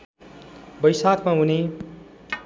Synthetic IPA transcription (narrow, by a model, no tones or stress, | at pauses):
bʌjsakmaɦune